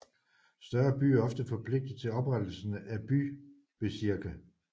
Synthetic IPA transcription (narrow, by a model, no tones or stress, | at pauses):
sd̥ɶɐb̥y̰ːæɐɒ̽fd̥əfɒ̽pʰle̝ɡ̥̚d̥ð̩ˠt͡sʰe̝lɒ̽b̥ʁad̥l̩sən̩æb̥y | b̥e̝siɐɡ̥æ